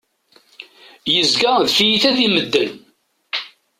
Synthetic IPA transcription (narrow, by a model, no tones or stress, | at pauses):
jəzɡaðfijiθæðiməd̪ːən